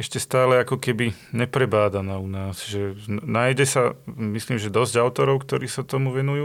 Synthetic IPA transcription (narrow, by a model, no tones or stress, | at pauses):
ɛʃcɛst̪aːlɛakɔkɛbiɲɛpɾɛbaːd̪anaunaːz̥ʒɛnaːjɟɛsamisliːmʒɛd̪ɔzɟaʊt̪ɔɾɔʊkt̪ɔɾiːsat̪ɔmuʋɛnujuː